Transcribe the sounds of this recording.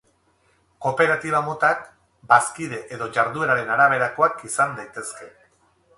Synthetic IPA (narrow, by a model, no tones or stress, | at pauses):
ko̞pe̞ɾat̪iβ̞amot̪ak | baskiðe̞ʔeðo̞ʝaɾðue̞ɾaɾe̞naɾaβ̞e̞ɾako̞akisand̪ajt̪e̞ske̞